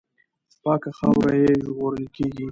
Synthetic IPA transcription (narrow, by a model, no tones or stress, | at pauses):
spɑkaxawɾajeʒɣoɾəlkeɡi